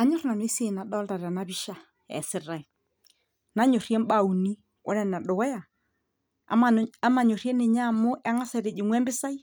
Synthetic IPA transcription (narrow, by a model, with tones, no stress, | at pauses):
a˦ɲo˦ɾna˨n˦e˦se˨na˨ɗɔ˦lda˨ɾa˨na˨˦βi˦ʃa˨ | ɛ̰˨sɪ˨ɾa˨i˨ | na˨˦ɲo˨rjɛ˦m˦ba˦u˨ni˦ | ʔɔ̰˦ɾɛ˦˨na˨ɗo˨wɛ˦ja˨ | a˦ma˨ɲo˨ɾjɛ˦ne˨ɲa˦˨mo˦ʔa˦ŋa˦sɛ˨ɾe˨d͡ʒe˨ŋwɛ˦mbɪ˦sa˦i˦